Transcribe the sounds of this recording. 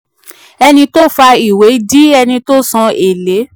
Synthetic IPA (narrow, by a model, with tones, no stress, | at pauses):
ɛ˧nĩ˧to˦fa˧i˨we˨˦di˦ɛ˧nĩ˧to˦sã˧e˨le˨˦